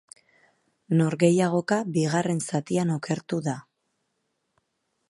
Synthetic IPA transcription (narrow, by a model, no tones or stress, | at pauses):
no̞ɾɣe̞jaɣo̞kabiɣ̞are̞nsat̪iano̞ke̞ɾt̪uða